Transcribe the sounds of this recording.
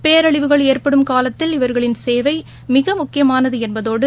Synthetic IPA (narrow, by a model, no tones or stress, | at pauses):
peːɐɾɐɭɪʋɯɣɐɭeːrpɐɽɯmkaːlɐt̪ːɪlɪʋɐɾɣɐɭɪnseːʋɐɪ | mɪɣɐmʊkːɪjɐmaːnɐðɯɛnbɐðoːɽɯ